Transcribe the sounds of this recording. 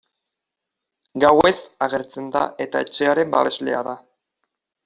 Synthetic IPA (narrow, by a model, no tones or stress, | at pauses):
ɡawe̞saɣe̞ɾt͡se̞nd̪a̰ʔe̞t̪ae̞t͡ʃe̞aɾe̞mba̰βe̞zle̞̰a̰ða